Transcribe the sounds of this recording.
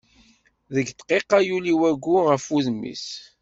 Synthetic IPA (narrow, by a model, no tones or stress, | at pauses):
ðəɡt̪qeqːajuliwæɡʷːuʁəfuðmḭs